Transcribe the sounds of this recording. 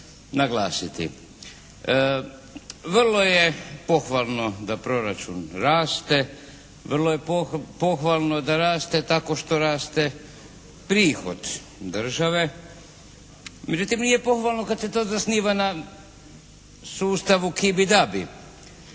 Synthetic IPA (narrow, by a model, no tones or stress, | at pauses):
naɡlaːsit̪ḭ | ʋrlˠo̞je̞po̞xʋalˠno̞d̪apɾo̞ɾat͡ʃunɾaːst̪e̞ | ʋr̩lˠo̞je̞popo̞xʋalˠno̞d̪aɾaːst̪e̞t̪ako̞ʃt̪o̞ɾaːst̪e̞ | pɾiːxo̞̰d̪ | d̪r̩ʒaʋe̞ | med͡ʒut̪imnijepo̞xʋalˠno̞kad̪set̪o̞ːzasniːʋana | suːst̪aʋukibid̪abi